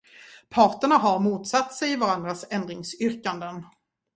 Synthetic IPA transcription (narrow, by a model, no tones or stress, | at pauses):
pʰɑːʈəɳaɦaɾmuːt̪sat̪ːsɛjɪvaɾand̪ɾasɛnd̪ɾɪŋsʏɾkand̪ən